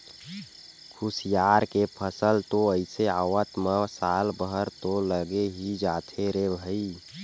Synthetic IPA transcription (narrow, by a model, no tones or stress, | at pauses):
kʰusjaːɾkepʰəsəlt̪oəɪseawət̪mə̃saːlbəɦəɾt̪oləɡeɦid͡ʒaːt̪ʰeɾebʱəi